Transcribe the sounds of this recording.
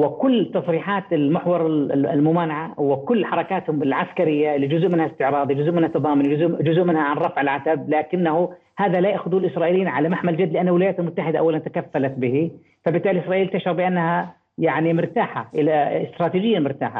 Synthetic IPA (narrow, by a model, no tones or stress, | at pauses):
wɪkʊlːt̪ːɑsˤɾiːħaːt̪ɪlmɪħwɑɾˤl̰lmʊmaːnaʕawɪkʊlːħɑɾˤɑkaːt̪hʊmɪlʕaskaɾɪjːaɪlːid͡ʒʊzʔmɪnhast̪ɪʕɾˤɑːd̪ˤid͡ʒʊzʔmɪnhat̪ːɑðˤɑːmʊnʊzd͡ʒʊzʔmɪnhaʕanɾˤɑfʕɪlʕat̪ablaːkɪnːahu | haːðalajaːxʊðuːlʔɪsɾˤɑːʔiːlijiːnʕalamaħmald͡ʒad̪ːlɪʔanːalwɪlajaːt̪almʊt̪ːaħɪd̪aʔawːalant̪ḁkafːalat̪bɪhi | fabɪt̪ːaːʔliʔɪsɾɑʔiːlt̪aʃɾɑɾbɪʔanːaha | jaʕnimɪɾt̪aːħaʔɪlaɪ̰st̪ɾˤɑːt̪iːd͡ʒɪjːalmʊɾt̪a̰ːħa̰